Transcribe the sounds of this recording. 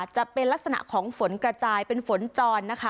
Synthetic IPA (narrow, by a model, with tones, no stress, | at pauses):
t͡ɕa˨˩pe˧nla˦˥k̚sa˧na̰˨˩ʔkʰɔː˩˦ŋfo˩˦nkɾa˧t͡ɕaː˧jpe˧nfo˩˦nt͡ɕɔː˧nːa˦˥kʰa˦